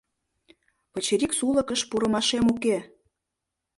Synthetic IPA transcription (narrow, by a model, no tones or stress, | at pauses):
pə̆t͡ɕeɾiksuləkəʃpuɾə̆mɑʃemuke